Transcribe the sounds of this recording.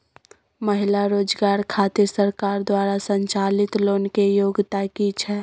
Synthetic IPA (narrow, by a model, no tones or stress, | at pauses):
məɦɪlaɾoːd͡ʒɡaːɾkʰaːt̪ɪɾsəɾkaːɾd̪waːɾasə̃ɲt͡ʃaːlɪt̪loːnkejoːɡt̪akit͡ʃʰɛː